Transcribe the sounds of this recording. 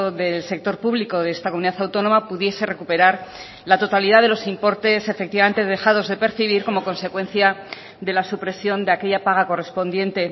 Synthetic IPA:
oðelse̞k̚t̪o̞ɾpuβliko̞ðeest̪akomuniðaθawt̪ono̞mapuðje̞se̞re̞kupe̞ɾaɾ | lat̪o̞t̪aliðaðe̞losimpo̞ɾt̪e̞sefek̚t̪iβament̪e̞ð̞e̞xaðo̞zðe̞pe̞ɾθiβ̞iɾko̞mo̞ko̞nse̞kwẽ̞nθja | d̪e̞lasupɾe̞sjo̞nd̪eake̞ʎapaɣ̞ako̞re̞spo̞nd̪je̞nt̪e̞

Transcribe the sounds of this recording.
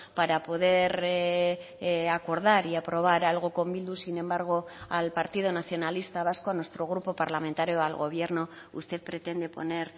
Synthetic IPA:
paɾapo̞ð̞e̞ɾ | ako̞ɾðaɾiapɾo̞β̞aɾalɣ̞o̞ko̞mbild̪usinẽ̞mbaɾɣ̞o̞alpaɾt̪ið̞onaθjo̞nalist̪aβ̞askoanwe̞st̪ɾo̞ɣ̞ɾupo̞paɾlamẽ̞nt̪aɾjoalɣo̞̰β̞je̞ɾno̞ | ṵst̪e̞ðpɾe̞t̪e̞nd̪e̞po̞̰ne̞ɾ

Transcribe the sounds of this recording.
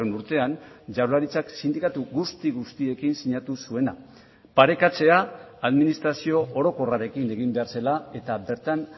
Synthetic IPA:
enuɾt̪e̞and͡ʒawlaɾit͡saksind̪ikat̪uɣust̪iɣust̪ie̞kinsiɲat̪usue̞na | paɾe̞kat͡se̞aːðminist̪ɾasio̞ʔoɾo̞ko̞raɾe̞kine̞ɣ̞imbe̞aɾse̞lae̞t̪abe̞ɾt̪an

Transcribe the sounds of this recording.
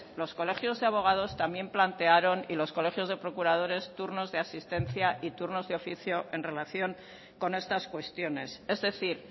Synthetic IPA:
lo̞sko̞le̞xjo̞zðeaβo̞ɣ̞að̞o̞st̪amje̞mplant̪e̞aɾo̞nilo̞sko̞le̞xjo̞zðe̞pɾo̞kuɾað̞o̞ɾe̞st̪uɾno̞zðeasist̪e̞nθjaʔit̪uɾno̞zðeo̞fiθjoʔe̞nre̞laθjo̞ŋ | ko̞ne̞st̪askwe̞st̪jo̞ne̞se̞zðe̞θiɾ

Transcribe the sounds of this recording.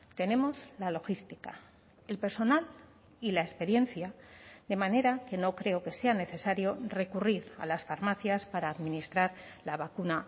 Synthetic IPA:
t̪e̞ne̞mo̞zlalo̞xist̪ika | e̞lpe̞ɾso̞nal | ilaespe̞ɾje̞nθjad̪e̞mãne̞ɾake̞no̞kɾe̞o̞ke̞se̞ane̞θe̞saɾjo̞re̞kuriɾa̰lasfaɾmaθjaspaɾaːðminist̪ɾaɾ | laβakuna

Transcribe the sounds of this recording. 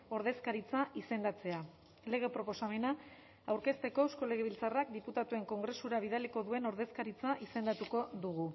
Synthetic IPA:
o̞ɾðe̞skaɾit͡saʔise̞nd̪at͡se̞a | le̞ɣ̞e̞pɾo̞po̞same̞na | awɾke̞st̪e̞ko̞ewsko̞le̞ɣ̞eβilt͡sarak̚d̪iput̪at̪ue̞ŋko̞ŋɡɾe̞suɾaβ̞ið̞aliko̞ðue̞no̞ɾðe̞skaɾit͡saʔise̞nd̪at̪uko̞ðuɣu

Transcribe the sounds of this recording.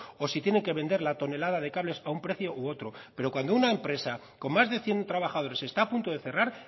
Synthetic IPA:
o̞sit̪jene̞ŋke̞βe̞nd̪e̞ɾlat̪o̞ne̞laðaðe̞kaβle̞saumpɾe̞θjo̞ʔoo̞t̪ɾo̞pe̞ɾo̞kwand̪ounaempɾe̞sa | ko̞mmazðe̞θje̞nt̪ɾaβaxað̞o̞ɾe̞se̞st̪aːpunt̪o̞ðe̞θe̞raɾ

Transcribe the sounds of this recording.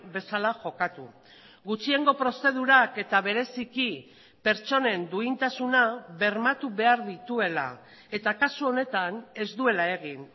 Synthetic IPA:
be̞salaʝo̞kat̪u | ɡut͡ʃie̞ŋɡo̞pɾo̞se̞ðuɾake̞t̪aβe̞ɾe̞siki | pe̞ɾt͡ʃo̞ne̞nd̪uint̪asunaβe̞ɾmat̪uβe̞aɾðit̪ue̞la̰ | e̞t̪akasuo̞ne̞t̪ane̞zd̪ue̞lae̞ɣin

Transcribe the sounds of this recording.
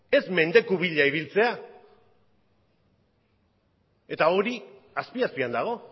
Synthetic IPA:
e̞zme̞nd̪e̞kuβiʎaiβ̞ilt͡se̞a | e̞t̪ao̞ɾi | aspiaspiand̪aɣ̞o̞

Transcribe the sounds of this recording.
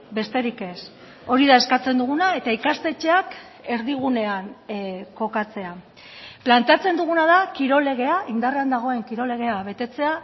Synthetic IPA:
be̞st̪e̞ɾike̞s | o̞ɾiðaeskat͡se̞nd̪uɣ̞unae̞t̪aikast̪e̞t͡ʃe̞ak | e̞ɾðiɣ̞une̞anko̞kat͡se̞a | plant̪e̞at͡se̞nd̪uɣ̞unaðakiɾo̞le̞ɣ̞e̞aʔind̪areand̪aɣ̞o̞e̞ŋkiɾo̞le̞ɣ̞e̞aβe̞t̪e̞t͡se̞a

